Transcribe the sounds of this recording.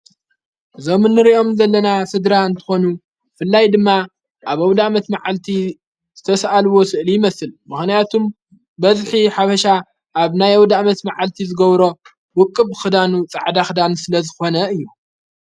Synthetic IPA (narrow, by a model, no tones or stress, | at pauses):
zomɨnːɨɾiʔo̞mzɐlːɐnasɨd̪ɾaɨnt̪ʰɨ̥xo̞nu | fɨlːajd̪ɨmːa | ʔaβɐwd̪aʔmɐt̪maʕalt̪ʰi | z̥ɨt̪ʰɐsʔalwo̞sɨʔlijɪmɐsɨlmɨxnijat̪ʰum | bɐzħiħafɐʃa | ʔaβnajɐwd̪amɐt̪maʕalt̪ʰizɨɡɐβɾo̞ | wʊkʼːɨbɨxɨd̪anut͡sʼaʕd̪axɨd̪ansɨlɐzɨxo̞nɐɨjːu